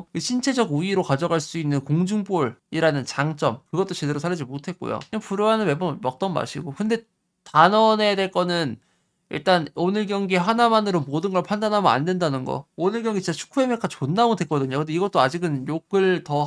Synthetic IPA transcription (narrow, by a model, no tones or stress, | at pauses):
kɯɕʰint͡ɕʰe̞d͡ʑʌɡuiɾokad͡ʑʌɡaɭs͈uinːɯnkoŋd͡ʑuŋboɾiɾanɯnt͡ɕaŋt͡ɕ͈ʌmkɯɡʌt͈ot͡ɕe̞de̞ɾosʰaɾid͡ʑimotʰe̞t̚k͈o̰jo̰ɲapuɾoanɯme̞bomʌk̚t͈ʌnma̰ɕʰiɡokɯnde̞ | tanʌne̞dwe̞ɭk͈ʌnɯn | ḭɭt͈anonɯɭɡjʌŋɡieɸanamanɯɾomodɯnɡʌɭpʰandanɦamʌna̰ndwendanɯnɡʌ̰onɯɭkjʌŋɡit͡ɕiɲt͡ɕ͈at͡ɕʰu̥kʰue̞mekʰat͡ɕonːaodwe̞k͈ʌdɯɲokɯndeiɡʌt͈̚oad͡ʑiɡɯnjoɡɯɭtʌ